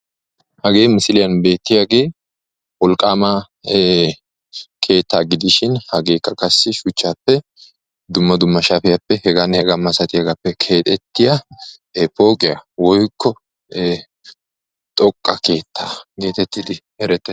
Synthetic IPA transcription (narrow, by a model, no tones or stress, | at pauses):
hɐɡe̞ːmɪsɪlɪjɐnbe̞ːt̪ːɪjaɡe̞ː | wɔlkʼːaːmaː | kʰe̞ːt̪ːaːɡɪd̪ɪʃɪnhɐɡe̞ːkːɐkɐsːɪʃʊt͡ʃːaːpːɛ | d̪ʊmːɐd̪ʊmːɐʃafɪjapːɛhɛɡanhɛɡɐmːɐsɐt̪ʼɪjɐɡɐpːɛkʰe̞ːt̪ʼɛt̪ːɪjɐ | po̞ːkʼɪjawɔjkʰːɔː | t̪ʼɔkʼːɐke̞ːt̪ːaːɡe̞ːt̪ɛt̪ːɪd̪ɪ | ɛɾɛt̪ːɛ